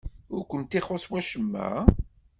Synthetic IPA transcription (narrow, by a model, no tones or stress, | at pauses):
ʊɾkʷənt̪iχoswæʃəmːæ̰